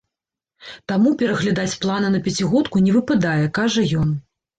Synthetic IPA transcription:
t̪amupʲɛɾɐɣlʲad̪at͡sʲplˠanɨnɐpʲɛt͡sʲiɣɔt̪kunʲɛvɨpad̪ajɛkaʐɐjɔn

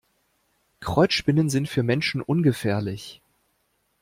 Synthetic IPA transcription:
kʁ̥ɔʏt͡sʃpɪnənzɪntfyːɐmɛnʃn̩ʔʊnɡəfɛːɐlɪç

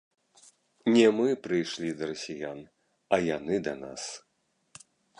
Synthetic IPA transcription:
nʲɛmɨpɾɨjʂlʲid̪ɐɾɐsʲijan | ɐjanɨd̪ɐna̰s

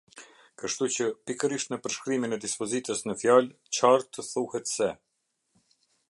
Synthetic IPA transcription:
kəʃt̪ut͡ɕəpikəɾiʃt̪nəpəɾʃkɾiminɛd̪ispɔzit̪əsnəfjal | t͡ɕaɾt̪əθuhɛt̪sɛ

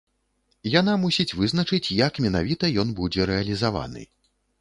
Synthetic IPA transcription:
janamusʲit͡sʲvɨznɐt͡ʂɨt͡sʲjɐkmʲɛnavʲit̪ɐjɔn̪bud͡zʲɛɾɛɐlʲizava̰nɨ̰

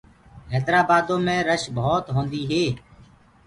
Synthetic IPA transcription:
ɦɛːd̪ɾaːbaːd̪õːmẽːɾəʃboːt̪ɦõːnd̪iːɦeː

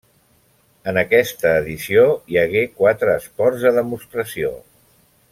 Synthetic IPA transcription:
ənəkɛst̪əːðisiojəɣekwat̪ɾəːspɔɾzðəðəmust̪ɾəsio̰

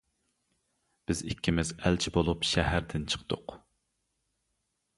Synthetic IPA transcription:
b̥ɪzikʲːimɪzælt͡ʃʰibolˠupʃɛhæɾd̪ɪnt͡ʃʰə̥qd̪ʊ̰q

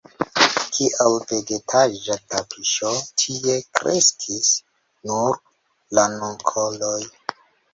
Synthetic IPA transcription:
kʰiʔawve̞ɡetʰaʒatapʰiʃotʰie̞kɾʔe̞̰skʰis | nuɾ | lanoŋkʰoloj

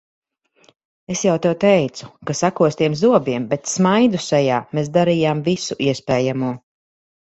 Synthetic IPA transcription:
esjawt̪ɛwt̪ɛjt̪su̥kasakuɔst̪iɛmzuɔbiɛmbɛt̪smajd̪usɛjaːmeːs̬d̪aɾijaːmvisuʔiɛspɛːjamuɔ

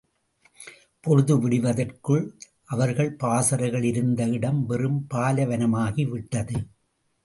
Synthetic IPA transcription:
pɔɾɯðɯʋɪɽɪʋɐðɐrkɯɭ | ʔɐʋɐɾɣɐɭpaːsɐɾɐɪɣɐɭɪɾɯnd̪ɐɪɽɐmʋɛrɯmpaːlɐʋɐnɐmaːɣiʋɪʈːɐðɯ

